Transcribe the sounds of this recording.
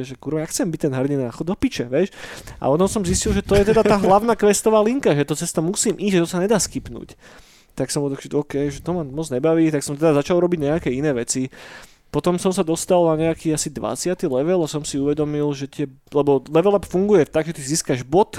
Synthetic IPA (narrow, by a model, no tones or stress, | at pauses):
ɛʒɛkuɾʋakxt͡sɛmbic̚t̪ɛnɦɛɾdinaxɔd̪ɔpit͡ʃɛʋɛʃʔa̰ɔt̪ɔmsɔmziscilˠʒɛt̪ɔjɛt̪ɛd̪aaːɦlaʊnakʋɛst̪ɔʋaːliŋkaʒɛt̪ɔt͡sɛst̪ɔmusiːmʔizʒɛt̪ɔsaɲɛd̪aːskipnṵːc | t̪aksɔmbɔlˠt̪aɡʒɛɔːkɛjʒɛt̪ɔmamɔd͡zɲɛbaʋiːt̪aksɔmt̪ɛd̪azat͡ʃalˠɾɔbiɟɲɛakɛinɛːʋɛt͡si | pɔt̪ɔmsɔmsad̪ɔst̪alnaɲɛakiːasid̪ʋa̰t͡sɪat̪ilɛʋɛlasɔmsiuʋɛd̪ɔmilʒɛt̪ɪɛ | lɛbɔlɛʋɛlapfuŋɡujɛt̪aɡʒɛt̪iziːskaʒbɔt̪